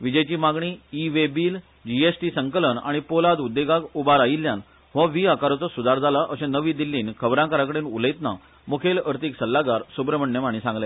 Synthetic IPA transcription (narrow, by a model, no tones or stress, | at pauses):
ʋid͡ʑəjt͡ɕiːmaɡɳiiʋebiːl | d͡ʑiesʈisəŋkələɳa̰ɽ̃ipolad̪ud̪ːeɡakubaɾajilːjãn | ʋɔʋiːakaɾɔt͡sɔsud̪aɾd͡zʱalaʔəsẽnəʋĩd̪ilːiːnkʰəbɾãkəɾakəɽenuləjt̪na̰ | mukʰeləɾt̪iːksəlːaɡaɾsubɾəməɳjəmaɳ̃iːsãŋɡle